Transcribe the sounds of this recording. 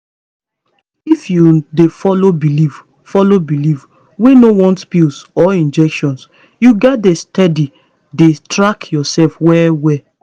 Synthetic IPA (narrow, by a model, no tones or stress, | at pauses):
ifjudefɔlobiliv | fɔlobiliv | wenowɔ̃ntpilsɔĩnd͡ʒɛkʃɔ̃ns | juɡɛt̚destɛdi | detɹakjɔsɛlfwɛwɛ